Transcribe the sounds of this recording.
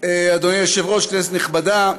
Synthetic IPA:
ead̪onijaʃevʁoʃknɛset̪niχbada

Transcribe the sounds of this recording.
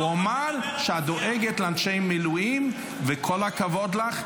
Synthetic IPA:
uamaʁʃead̪o̞ʔeɡet̪leanʃe̞jmilujim | vekʰo̞lakavo̞d̪laχ

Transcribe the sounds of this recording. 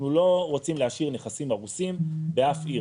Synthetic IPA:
nulo̞ʁot͡simleaʃiʁne̞χasimaʁusimbeafi

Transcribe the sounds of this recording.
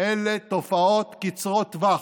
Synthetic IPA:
elet̪ofaot̪kit͡sʁot̪va

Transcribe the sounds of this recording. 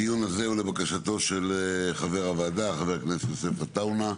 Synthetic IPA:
ijunazeulebakaʃat̪o̞ʃelχaveʁavaːd̪aːχave̞akneset̪josefat̪awna

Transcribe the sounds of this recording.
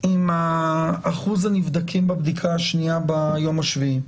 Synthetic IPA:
imaː | χuzanivd̪akʰimbabd̪ikʰaaʃniabajo̞maʃvii

